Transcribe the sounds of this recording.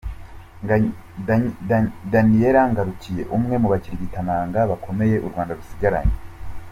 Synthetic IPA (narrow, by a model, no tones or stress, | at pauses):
danieɾaŋɡaɾucije̞̰ʔumŋe̞muβaciɾiβitanaːŋɡaβakʰo̞me̞je̞ʔuɾɡwaːndaɾusiɡaɾa̰ɲe